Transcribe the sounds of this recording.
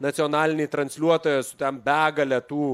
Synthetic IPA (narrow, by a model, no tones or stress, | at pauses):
nɐt̪sʲɪɔːnɑːlʲɪnʲɪt̪ɾɐnʲsʲlʲuɔt̪oːjɛsʊ̥t̪ʲɛmbʲæːɡɐlʲɛt̪uː